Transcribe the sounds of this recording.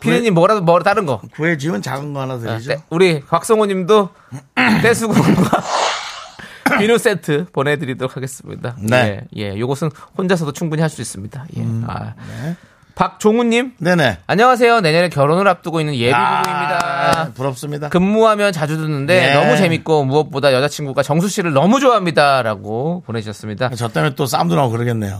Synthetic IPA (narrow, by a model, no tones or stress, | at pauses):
pʰiɾiɲimːʌɾadomʌt͈aɾɯnɡʌkɯet͡ɕimɯnt͡ɕaɡɯnɡʌanadɯid͡ʑouɾipak̚s͈oŋoɲːimdo | t͈e̞sʰuɡuŋɡwa | pinus͈e̞tʰɯpone̞dɯɾidʌɾokʰaɡe̞s͈ɯmɲḭdaneeje̞̰joɡʌsʰɯnhond͡ʑas̬ʰʌdot͡ɕʰuŋbuɲihaɭs͈uis͈ɯmɲidaje̞̰a̰ | pak̚t͡ɕoŋuɲːimne̞ne̞aɲʌŋas̬ʰe̞jone̞ɲʌɾekjʌɾonɯɾap̚t͈ɯɡoinːɯnje̞ioiɲidapuɾʌp̚s͈ɯmɲidakɯmːuɦamjʌnt͡ɕad͡ʑudɯnːɯnde̞nʌmut͡ɕe̞mik͈omuʌt̚p͈odajʌd͡ʑat͡ɕʰinɡuɡat͡ɕʌŋs̬ʰuɕ͈ʰiɾɯɭnʌmud͡ʑoaɦamɲidaɾaɡopone̞d͡ʑuɕʌs͈ɯmɲidat͡ɕʌt͈emjent͈os̬͈aumduɾaɡokɯɾɯɡenːe̞̰jo